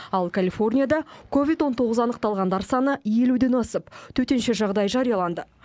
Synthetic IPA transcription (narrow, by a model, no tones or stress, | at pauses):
ɑlˠkʰalʲifo̞rnʲijad̪ɑkʰo̞vʲijt̪wo̞nt̪ʰo̞ʁəzɑnəqt̪ɑlˠʁɑnd̪ɑɾsɑnəje̞lud̪e̞nɑsəpt̪ʰɵt̪e̞nʃe̞ʒɑʁd̪ɑjʒɑɾijɑlˠɑnd̪ə